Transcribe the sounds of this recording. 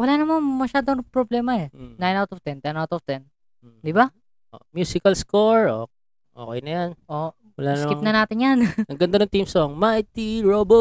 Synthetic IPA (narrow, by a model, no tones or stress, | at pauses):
wɐlanɐmanmɐʃaːd̪oɐŋpɾoblɛːmɐɛnajnawt̪ɔft̪ɛnt̪ɛnawt̪ɔft̪ɛn | d̪ɪba | ʔoʔmjuːsɪkɐlskoɹo̰ | ʔoːkɛjnɐjanʔo | wɐlanɐmɪŋp̚nɐnaːt̪ɪnjannɐɡɐnd̪anɐŋt̪imsoŋmajt̪iɹobo